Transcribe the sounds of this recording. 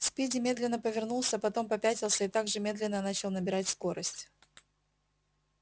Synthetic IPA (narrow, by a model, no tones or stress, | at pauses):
spʲidʲɪmʲe̞d̪lʲɪnːəpəvʲɪrnulˠsʲəpɐt̪o̞mpɐpʲætʲɪlˠsʲəɪt̪aɡʐɨmʲe̞d̪lʲɪnːənat͡ɕɪlˠnəbʲɪɾatʲsko̞ɾəsʲtʲ